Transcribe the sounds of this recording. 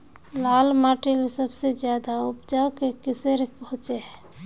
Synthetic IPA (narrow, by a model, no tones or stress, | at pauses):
lalmaʈilsəbsed͡ʒjad̪aupd͡ʒawkekiseɾkɦot͡ʃeɦɛ